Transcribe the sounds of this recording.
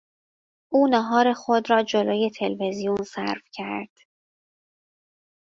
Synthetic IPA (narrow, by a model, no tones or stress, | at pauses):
ʔuːnɒɦɒːɾe̞xod̪ɾɒːd͡ʒo̞loːje̞t̪ʰe̞lve̞zijunsæ̰ɾfcʰæ̰ɾd̪̥